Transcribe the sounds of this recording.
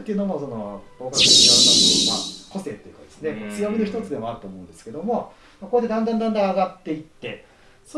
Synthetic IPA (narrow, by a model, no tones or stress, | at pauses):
kʲenonoso̞nobo̞ːkaseiad̪aoma̰ko̞se̞ːt̪ːo̞jɯ̟kad̪esɨne̞mat͡sɨjoɡɯnoçi̥t̪ot͡sɨd̪e̞mo̞aɾɯ̟t̪o̞ːmoɯ̃nd̪e̞sɨ̥ke̞d̪o̞mo̞ | mako̞ɾed̪e̞d̪ãnd̪ãnd̪ãnd̪ãaɡat̪ːe̞it̪ːe̞ | so